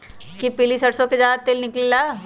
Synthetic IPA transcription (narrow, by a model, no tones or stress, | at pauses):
kipilisɐɽsõked͡ʒaːd̪t̪elnɪklilaː